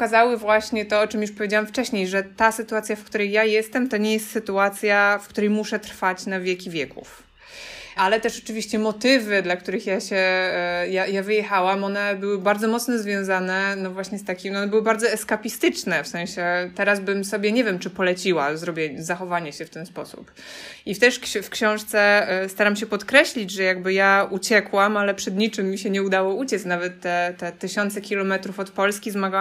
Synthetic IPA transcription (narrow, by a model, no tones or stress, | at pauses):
kazawɘvwaɕɲɛt̪ɔɔt͡ʂɘmjuʂpɔvʲed͡ʑawamft͡ʂɛɕɲejʐɛt̪asɘt̪uat̪sʲjafkt̪uɾɛjːajɛst̪ɛmt̪ɔɲɛjɛst̪sɘt̪uat̪sʲjafkt̪uɾɛjmuʂɛt̪ɾfat͡ɕnavʲjɛkʲivʲjɛkʰṵf | alɛt̪ɛʂɔt͡ʂɘvʲiɕt͡ɕɛmɔt̪ɘvɘd̪lak̚t̪uɾɘxjaɕɛjajavɘjɛxawamɔnɛbɘwɘbaɾd̪zɔmɔt̪snɔzvʲjɔ̃w̃zanɛnɔvwaɕɲɛst̪akʲimɔnɛbɘwɘbaɾd̪zɔɛskapʲist̪ɘt͡ʂnɛfsɛ̃ɕɛt̪ɛɾazbɘmsɔbʲjɛɲɛvʲjɛmt͡ʂɘpɔlɛt͡ɕiwazɾɔbʲjɛɲɛzaxɔvaɲɛɕɛft̪ɛnspɔsṵp | ift̪ɛʂfkɕɔ̃w̃ʂt̪sɛst̪aɾamɕɛpɔt̪kɾɛɕlʲid͡ʑʐɛjaɡbɘjaut͡ɕɛkwamalɛpʂɛd̪ɲit͡ʂɘmːiɕɛɲɛud̪awɔut͡ɕɛt̪snavɛt̪ːɛt̪ɛt̪ɘɕɔnt̪sɛkʲilɔmɛt̪ɾufɔt̪pɔlskʲizmaɡa